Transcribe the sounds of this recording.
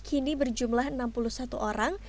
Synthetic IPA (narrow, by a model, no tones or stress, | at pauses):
kʰinibərd͡ʒumlaɦənampuluhsat̪uʔoɾaŋ